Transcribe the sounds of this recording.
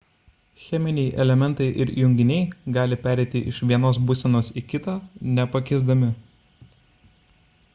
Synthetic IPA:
xʲɛmʲɪnʲɛɪʔɛ̰lʲɛmʲɛnˑt̪ɐɪʔɪɾjʊŋʲɡʲɪnʲɛɪɡɑːlʲɪpʲæːɾʲɛɪt̪ʲɪʔɪʃʋʲiɛnoːsbʊsʲɛnoːsikʲɪt̪ɑːnʲɛpɐkʲɛɪzd̪ɐmʲɪ

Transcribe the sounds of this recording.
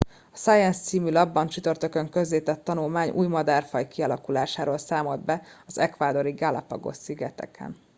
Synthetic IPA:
ɒsaːjɛnst̪siːmylɒbːɒnt͡ʃyt̪ø̞rt̪økø̞ŋkø̞zleːt̪ɛt̪ːɒnulmaːɲʔṵːjmɒd̪aːrfɒjkiɒlɒkulaːʃaːɾoːlsaːmo̞d̪̚bɛɒzɛkʋaːd̪o̞ɾiɡala̰pɒɡo̞̰siɡɛt̪ɛ̰kʰɛ̰n

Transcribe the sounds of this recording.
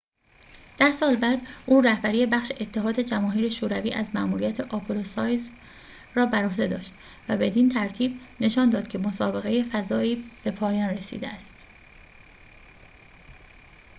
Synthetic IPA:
d̪̥æhsɒːlbæːd̪ʔuːræhbæɾije̞bæχʃe̞ʔet̪ʰːe̞ɦɒːd̪e̞d͡ʒæmɒːɦiːɾe̞ʃoːɾæviːʔæzmæʔmuːɾijæt̪ʰe̞ʔɒpʰelosɒːjz | rɒːbæɾo̞hd̪e̞d̪ɒ̰ːʃt̪ | væbe̞d̪int̪ʰæɾt̪ʰiːbne̞ʃɒːnd̪ɒːd̪̥̚cʰe̞mosɒːbe̞ɣe̞je̞fæzɒːiːb̥e̞pʰɒːjɒːnre̞sḭːd̪eæst̪

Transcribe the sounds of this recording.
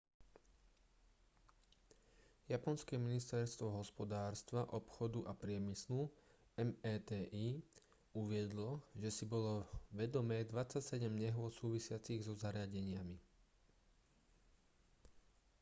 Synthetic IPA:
japɔnskɛminist̪ɛɾst̪ʋɔɦɔspɔd̪aːɾst̪ʋaʔɔpxɔd̪uʔapɾɪɛmislu | ɛmɛːt̪ɛːʔiː | uʋɪɛd̪lɔʒɛsibɔlɔʋɛd̪ɔmɛːd̪ʋat͡sːacsɛɟɛmɲɛɦʊɔt̪suːʋisɪat͡siɣzɔzaɾɪaɟɛɲɪami

